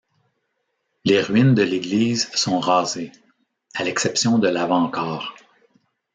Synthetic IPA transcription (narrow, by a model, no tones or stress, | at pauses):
leʁɥind̪əleɡliːzsɔ̃ʁɑːze | alɛksɛpsjɔ̃d̪əlavɑ̃kɑːʁ